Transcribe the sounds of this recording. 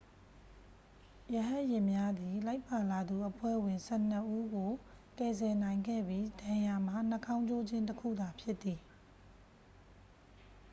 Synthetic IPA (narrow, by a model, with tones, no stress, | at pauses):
jə˨ɦã˦ʔjɪ̃˨mja˦d̪i˨la˦ɪpːa˨la˨d̪u˨ʔəpʰwɛ̰˦˨wɪ̃˨nsɛ˦˨n̥ə˦ʔu˦ɡo˨kɛ˨zɛ˨nã˨ɪ̃ŋɡɛ̰˦˨bji˦dã˨ja˨m̥a˨n̥ə˦kʰã˦ʊ̃d͡ʑo˦˨d͡ʑɪ̃˦ntəkʰṵ˦˨d̪a˨pʰjɪ˦t̪ːi˨